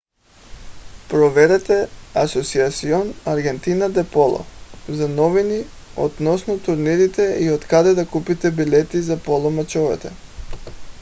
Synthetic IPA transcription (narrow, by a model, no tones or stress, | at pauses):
pɾɔvɛɾɛt̪ɛasɔt̪siat̪siɔnaɾɡɛnt̪inad̪ɛpɔlˠɔ̰zanɔvini | ɔd̪nɔsnɔt̪uɾniɾit̪ɛiot̪kad̪ɛd̪akupit̪ɛbilʲɛt̪izapolˠɔmat͡ʃɔvɛ̰t̪ɛ